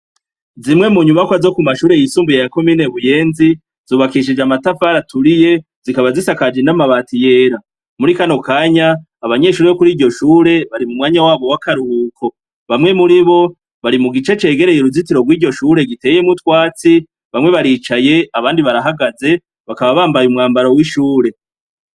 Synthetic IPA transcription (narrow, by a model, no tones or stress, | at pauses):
zimŋe̞muɲumakwazo̞kumaʃuːɾe̞jisuːmbujejako̞miːne̞βuje̞ːnzi | z̥uːβakiʃ̬id͡ʒamatafaɾatʰuɾije̞ | z̥ikaβazisakad͡ʒenamaβaːtije̞ːɾa | muɾikano̞kaːɲaː | βaɲe̞ʃuːɾejokuɾiːɾɟo̞ʃuːɾe̞βaɾimumŋaːɲawaːβo̞wakaɾuhuːkʰo̞ | βamŋe̞muɾiβo̞ | βaɾimuɡit͡ʃe̞t͡ʃe̞ːɡe̞ɾejeɾuzitiɾo̞ɡwiːɾɟo̞ʃuːɾe̞ɡite̞ːje̞mutwaːt͡si | βamŋe̞βaɾiːt͡ʃaje̞aβaːndiβaɾaɦaɡaze̞ | βakaβaβaːmbajumŋaːmbaɾowiʃuːɾe̞